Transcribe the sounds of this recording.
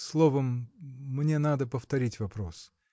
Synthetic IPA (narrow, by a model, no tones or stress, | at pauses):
slˠovəmː | nʲenad̪əpəft̪ɐɾʲitʲvɐpɾos